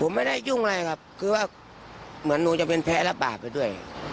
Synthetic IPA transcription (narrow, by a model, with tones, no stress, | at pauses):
pʰo˨˦mːa˧˩jda˥˩jju˧˩ŋla˧˩jkʰa˦˥p̚kʰɯː˧waː˧˥˩ | mɯ˩˦ənːuː˧t͡ɕa˧˩ŋpe˧npʰɛː˧˥la˧baː˨˩p̚ːa˧jdu˥˩əj